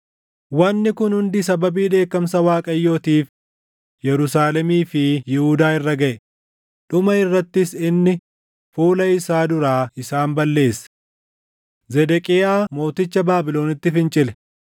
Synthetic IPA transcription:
wɐnːɪkʊnhʊnd̪ɪs̬ɐbɐbiːᶑe̞ːkːɐmsɐwaːkʼɐjːo̞ːt̪iːf | jɛɾʊsaːlɛmiːfɪjɪhʊd̪aːɪrːɐɡɐʔɛ | ᶑʊmɐɪrːɐt̪ːɪsɪnːɪ | fuːlɐɪsaːd̪ʊɾaːɪsaːmbɐlːe̞ːsːɐ̥ | zɛd̪ɛkʼɪjaːmo̞ːt̪ɪt͡ʃːɐbaːbɪlo̞ːnɪt̪ːɪfɪnt͡ʃʼɪlɛ̥

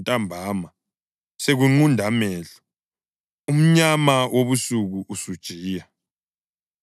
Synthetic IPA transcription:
tʼambʱaːma | seɣuŋ͡ǃundʱamɛːɮɔ̥ | um̩ɲamawʔoβusuɣuʔusud̥ʒ̥ʱiːja

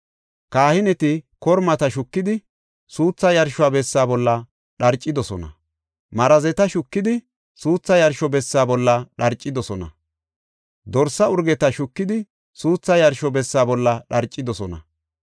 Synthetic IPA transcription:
kaːhɪnɛt̪ɪkɔɾmɐt̪ɐʃʊkːɪd̪ɪ | suːt͡sːɐjɐɾʃʊaːbɛsːaːbɔlːɐ | ɗɐɾt͡ʃʼːɪd̪ɔsɔnɐ̰ | mɐɾɐzɛt̪ɐʃʊkːɪd̪ɪ | suːt͡sːɐjɐɾʃɔbɛsːaːbɔlːɐɗɐɾt͡ʃʼːɪd̪ɔsɔnɐ̰ | d̪ɔɾsːɐʊɾɡɛt̪ɐʃʊkːɪd̪ɪ | suːt͡sːɐjɐɾʃɔbɛsːaːbɔlːɐɗɐɾt͡ʃʼːɪd̪ɔsɔnɐ̰

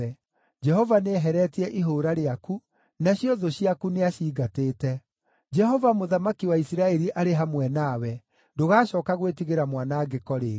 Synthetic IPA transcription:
ɛ | d͡ʒɛɦɔvaneɦɛɾɛtiɛʔiɦoːɾaɾeaku | naɕiɔðoɕiakuneaɕiːɡateːtɛ | d͡ʒɛɦɔvamoðamakiwaisiɾaɛɾiʔaɾeɦamwɛnaːwɛ | doɣaːʃɔːkaɣwet̬iɣeɾamwanaɡekɔɾe

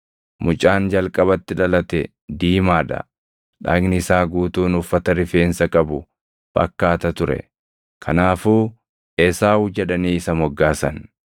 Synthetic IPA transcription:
mʊt͡ʃʼaːnd͡ʒɐlkʼɐbɐt̪ːɪᶑɐlɐt̪ɛ | d̪iːmaːᶑɐ̰ | ᶑa̰ːɡnɪɪsaːɡuːt̪uːnʊfːɐt̪ɐɾɪfe̞ːnsɐkʼɐbʊ | b̥ɐ̰kːaːt̪ɐt̪ʊɾɛ̰ | kʰɐnaːfuː | eːsaːhʊd͡ʒɛᶑɐniːɪsɐmɔɡːaːsɐn

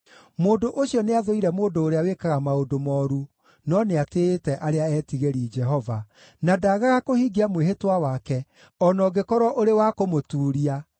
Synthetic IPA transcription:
moːndoʔoɕiɔneaðoiɾɛmoːndoːɾeawekaɣamaodomɔːɾu | nɔneatetɛʔaɾeaɛːtiɣeɾiːd͡ʒɛɦɔva | nadaːɣaɣakohiɡiamweɦetwawakɛ | ɔnɔɡekɔɾɔʔoɾewakomotuːɾia

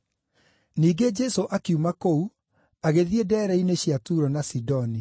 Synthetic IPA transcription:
niːɡed͡ʑɛsoʔakiumakou | aɣeðiedɛːɾɛineɕjatuɾɔnasidɔni

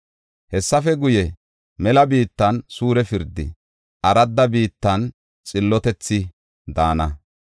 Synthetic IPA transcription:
hɛsːɐfɛɡʊjɛ | mɛlɐbiːt̪ːɐnsuːɾɛfɪɾd̪ːɪ̰ | ʔɐɾɐd̪ːɐbiːt̪ːɐn | t͡sʼɪlːɔt̪ɛt͡sːɪ | d̪aːnɐ

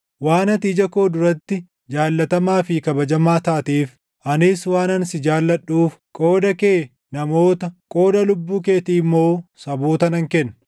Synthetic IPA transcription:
waːnɐt̪id͡ʒɐko̞ːd̪ʊɾɐt̪ːɪ | d͡ʒaːlːɐt̪ɐmaːfɪkɐbɐd͡ʒɐmaːt̪aːt̪iːf | ʔɐnɪswaːnɐnsɪd͡ʒaːlːɐᶑuːfkʼo̞ːd̪ɐkeː | nɐmo̞ːt̪ɐkʼo̞ːd̪ɐlʊbːuːk̬e̞ːt̪iːmːo̞ːsɐboːt̪ɐnɐŋkɛnː

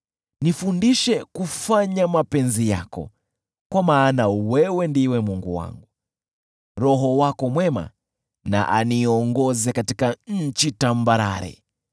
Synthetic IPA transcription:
nifundiʃɛkufaɲamapɛnzija̰kɔ̰ | kwamaːnawɛwɛndiwɛmuŋɡuwa̰ŋɡu | ɾɔɦɔwakɔmwɛma̰ | na̰ʔaniɔŋɡɔzɛkatikaɲ̩t͡ʃitambaɾa̰ɾɛ̰

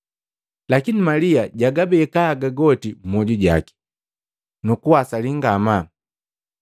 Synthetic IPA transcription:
lakinimaliaɟaɡabɛːkaːɡaɡɔtim̩mɔɟuɟa̰ki̥ | nukuwasaliŋɡama

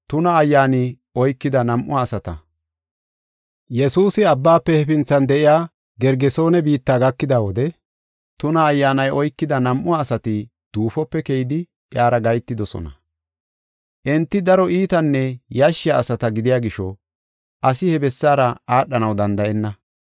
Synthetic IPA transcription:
t̪ʊnɐːjːaːnɪ | ɔjkːɪd̪ɐnɐmʔʊaːsɐt̪ɐ̰ | jɛsuːsɪɐbːaːpːɛhɛfɪnt͡sːɐnd̪ɛʔɪjaː | ɡɛɾɡɛso̞ːnɛbiːt̪ːaːɡɐkːɪd̪aːwɔd̪ɛ | t̪ʊnɐːjːaːnɐjʔɔjkːɪd̪ɐnɐmʔʊaːsɐt̪ɪ | d̪̥uːfɔpːɛkejd̪ɪ | jaːɾɐɡɐjt̪ːɪd̪ɔsɔ̰nɐ̰ | ʔɛnt̪ːɪd̪ɐɾɔiːt̪ɐnːɛjaʃːɪjaːsɐt̪ɐɡɪd̪ɪjaːɡɪʃɔ | ʔɐsɪhɛbɛsːaːɾɐaːɗɐnɐwd̪ɐnd̪ɐʔɛnːɐ

